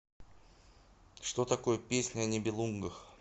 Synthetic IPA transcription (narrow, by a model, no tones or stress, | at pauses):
ʂt̪o̞t̪ɐko̞jəpʲesʲnʲənʲɪbʲɪlˠuŋɡəx